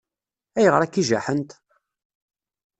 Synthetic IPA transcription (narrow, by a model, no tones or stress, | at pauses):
æjəʁɾˤækːiʒa̰ħənt̪